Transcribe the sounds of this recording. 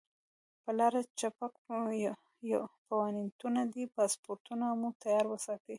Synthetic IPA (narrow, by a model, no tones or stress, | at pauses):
pəlɑɾat͡ʃapak | pawɑnint̪unad̪ipɑspoɾt̪unamut̪ajɑɾwəsɑt̪i